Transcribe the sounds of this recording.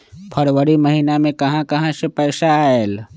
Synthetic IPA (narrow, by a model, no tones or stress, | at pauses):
pʰəɾwəɾiməɦiːnamẽkɐɦãkɐɦãsepɛːsael